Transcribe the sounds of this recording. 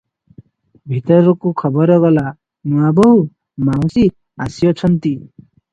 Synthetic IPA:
bʱit̪ɔɾɔkukʰɔbɔɾɔɡɔla | mũabɔɦu | maw̃si | a̰siɔt͡ʃʰɔnt̪i

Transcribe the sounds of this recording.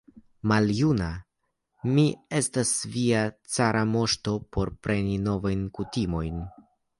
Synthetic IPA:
maljuna | mie̞stasviat͡saɾʔamo̞ʃto̞po̞ɾpɾe̞nino̞vajnkutimo̞jn

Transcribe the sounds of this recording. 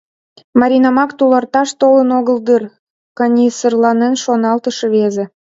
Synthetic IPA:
mɑɾʲinɑmɑkt̪ulɑrt̪ɑʃt̪olənoɣəld̪ər | kənʲisərlɑnenʃonɑlt̪əʃeβeze

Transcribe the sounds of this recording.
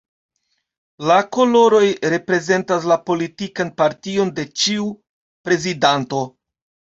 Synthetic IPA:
lako̞lo̞ɾo̞jɾe̞pɾe̞ze̞ntas̬lapo̞litikanpaɾtio̞nde̞t͡ʃiu | pɾe̞zidanto̞

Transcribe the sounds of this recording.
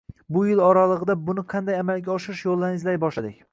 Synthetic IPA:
bʊjɪlɒɾalˠɨʁɨd̪abʊnɪqʰɑnd̪ajamalˠɡʲaɒʃɪɾɪʃjolˠːaɾɪŋɪzlajbɒʃlad̪ɪkʲ

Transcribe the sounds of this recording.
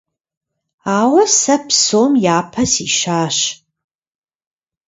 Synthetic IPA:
aːwɐsɐpʰsoːmjaːpʰɐsiʃaːʃ

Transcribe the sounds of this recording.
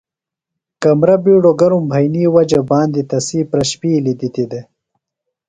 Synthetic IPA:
kamɾabiːɽoɡaɾumbʱajniwad͡ʒabɑːnd̪it̪ɐsipɾɐɕpiːlid̪it̪id̪e

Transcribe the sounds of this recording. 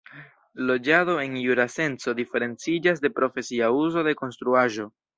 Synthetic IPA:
lo̞d͡ʒaðo̞e̞njuɾase̞nt͡so̞d̪ife̞ɾe̞nt͡sid͡ʒas̬de̞pɾo̞fe̞siauzo̞de̞ko̞nst̪ɾuaʒo̞

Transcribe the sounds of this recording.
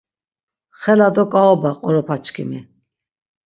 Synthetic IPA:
χɛlad̪ɔkʼaɔbaqʼɔɾɔpʰat͡ʃkʰḭmi

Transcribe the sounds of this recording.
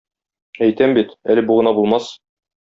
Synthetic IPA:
æjt̪æmbit̪ælɘ̆buʁɤ̆nɑbulˠmɑs

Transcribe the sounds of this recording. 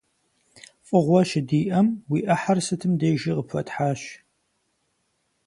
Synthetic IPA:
fʼɨʁʷɔʃɪdiːʔɐmwiːʔɐħarsɨtʰɨmdeːʒiqəpʰɐtħaːɕ

